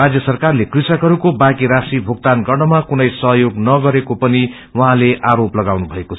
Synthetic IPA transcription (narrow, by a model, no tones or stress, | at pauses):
ad͡zjʌsʌrkarlekrisʌkɦʌɾukobakiɾasʈribʱuɡ̚t̪anɡʌrnʌmakunʌjsʌɦʌjoɡnʌɡʌɾekopʌni | wʌɦãleʔaɾoplʌɡawnubʱʌekot͡sʰ